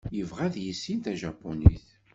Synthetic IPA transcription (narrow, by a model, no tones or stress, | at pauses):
jəvʁæðjisːint̪æʒɑpːonḭθ